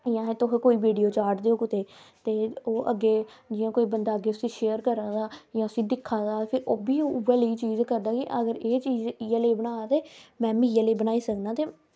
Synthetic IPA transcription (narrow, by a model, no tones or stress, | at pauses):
jãːẽt̪oɦẽːkoːiːʋiːɖioːt͡ʃaːɾʈd̪eːoːkʊt̪eːt̪eːoːʔəɡːeːd͡ʒɪːãːkoːiːbənd̪aːəɡeːʊsĩːʃeːəɾkəɾãːd̪aːjãːəsĩːd̪ɪkʰːãːd̪aːpʰɪɾoːbiːoʋəliːt͡ʃiːzkəɾd̪aːkɪʔəɡəɾeːt͡ʃiːzjaːleːbənaːat̪eːmɛ̃ːmĩjaleːbənaːiːsəknaːt̪eː